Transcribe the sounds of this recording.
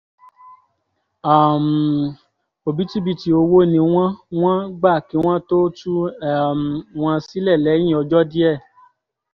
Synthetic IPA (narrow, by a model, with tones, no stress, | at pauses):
a˨m˨ | o˨bi˨˦ti˦bi˦ti˧o˧wo˦˨nĩ˧w̃ã˦w̃ã˦ɡ͡ba˦˨kĩ˨˦w̃ã˦to˦tu˦ɛ˦˨m˨w̃ã˧si˦lɛ˦˨lɛ˨˦j̃ĩ˦˨ɔ˧d͡ʒɔ˦di˦ɛ˦˨